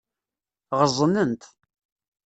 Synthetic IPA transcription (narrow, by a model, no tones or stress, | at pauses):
ʁəzˤnənt̪